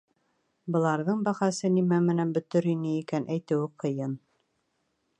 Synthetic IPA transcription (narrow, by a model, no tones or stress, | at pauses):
bɤ̆lˠɑɾðɤɴbæχɑsɤnimæmɘ̆nænbɵ̆t̪ɵɾinɘikænʔæjt̪ɘ̆wɘqʰɤ̆jɤn